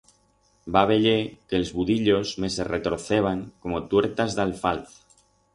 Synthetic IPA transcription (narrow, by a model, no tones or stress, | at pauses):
baβ̞e̞ʎekelzβuðiʎo̞zme̞se̞ret̪ɾo̞θe̞β̞aŋko̞mot̪we̞ɾt̪azðalfalθ